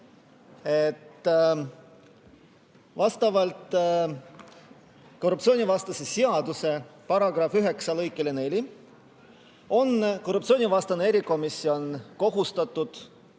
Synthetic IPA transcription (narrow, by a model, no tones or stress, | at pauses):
e̞t̪ː | vɑst̪ɑvɑlt̪ | ko̞rup̚tsio̞ːnʲivɑst̪ɑse̞siɑd̪̥use̞pɑɾɑɡ̥rɑfyɦe̞ksɑlɤjkːˑelene̞lʲi | o̞nko̞rːup̚t̪sioːnivɑst̪ɑneeɾiko̞misːio̞nko̞ɦust̪ɑt̪ːˑud̪̥